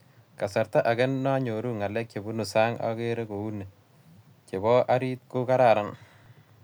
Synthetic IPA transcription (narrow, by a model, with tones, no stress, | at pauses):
ka˨sa˨ɾta˦ʔa˨ɡɛ˦nːa˦ɲo˨ɾu˦ŋa˨lɛ˦k̚t͡ʃe˨bu˦nu˨sa˦ŋa̰˦ke˦ɾe˦ko˨u˦nːe˨ | ke˨bɔ˦ʔa˦ɾi˦t̚kʊ˦ka˦ɾa˨ɾa˨˦n